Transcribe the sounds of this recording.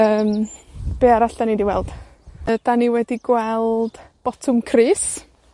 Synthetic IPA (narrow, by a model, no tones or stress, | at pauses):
əːmb̥eːaɾaɬd̥anidiwɛlˠd̥ | əd̥aniwɛdiɡwɛlˠd̥b̥ɔtʰʊmkʰriːs